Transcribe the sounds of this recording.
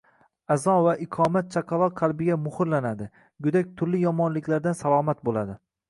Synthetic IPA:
azɒvaʔɪqʰɒmat̪̚t͡ʃʰaqʰɑlˠɒqʰɑlˠbɪɡʲamʊhɨɾlanad̪ɪ | ɡʊd̪ak̚ʲt̪ʰʊɾlɪjɒmɒnlɪkʲlaɾd̪ansalˠɒːmat̪̚bolˠad̪ɪ

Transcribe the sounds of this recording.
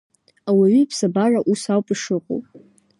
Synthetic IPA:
awaɥipʰsabaraʔusawpʼiʂɨqʼo̰wpʼ

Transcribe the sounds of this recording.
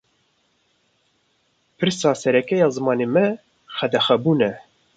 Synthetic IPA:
pʰɨɾsɑːsɛɾɛkɛjɑːzɨmɑːneːmɛ | xɛd̪ɛxɛbuːnɛ

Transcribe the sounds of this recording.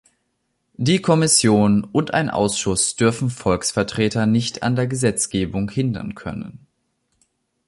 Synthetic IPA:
diːkʰɔmɪsjoːnʊntʔa̰ɪnʔa̰ʊsʃʊsd̥ʏɐfn̩fɔlksfɛɐtʁ̥eːtɐnɪçta̰ndeːɐɡəzɛt͡sɡ̥eːbʊŋhɪndɐ̰nkʰœ̰nə̰n

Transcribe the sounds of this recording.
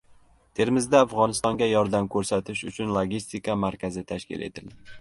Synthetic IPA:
t̪ʰe̞ɾmɪzd̪aːfʁɒnɪst̪ɒŋɡʲajɒɾd̪amkʰɵɾsat̪ʰɪʃʊt͡ʃʰʊnlˠoɡʲist̪ɪkamaɾkʲazɪt̪ʰaʃkʲɪ̰le̞̰t̪ʰɪld̪ɪ

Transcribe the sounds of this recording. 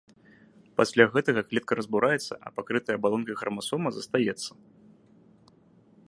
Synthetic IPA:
pasʲlʲaɣɛt̪ɐɣɐklʲɛt̪̚kɐɾɐzbuɾʔajɛt̪sːɐ̰ʔɐ̰pakɾɨt̪ɐjɐbalˠɔnkɐɣɾɐmasɔmɐzɐst̪ajɛt̪sːɐ

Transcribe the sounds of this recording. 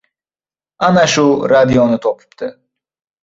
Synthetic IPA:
anaʃuɾad̪ijonɨt̪ʰopʰu̥pt̪ʰɨ

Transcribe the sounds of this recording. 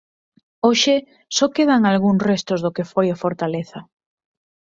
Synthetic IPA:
oʃɪ | sokeð̞aŋalɣuŋsrest̪ʊzðokefojafoɾt̪aleθɐ

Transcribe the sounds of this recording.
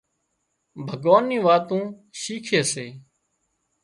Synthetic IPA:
bʱəɡoːnːĩːʋaːt̪ũː | ʃiːkʰeːseː

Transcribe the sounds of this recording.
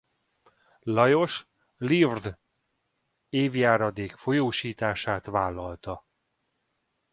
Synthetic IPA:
lɒjo̞ʃ | livrd̪ | eːvjaːɾɒd̪eːkfo̞joːʃiːt̪aːʃaːt̪ʋaːlːɒlt̪ɒ

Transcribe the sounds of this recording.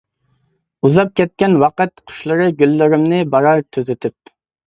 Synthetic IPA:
uzɑp̚kʲʰɛt̪̚kʲɛnwɑqɨt̪̚qʰʊ̥ʃlˠəɾɨɡʲylːɪɾɪmnɪbɑɾɑɾt̪ʰøzɪt̪ʰyp̚

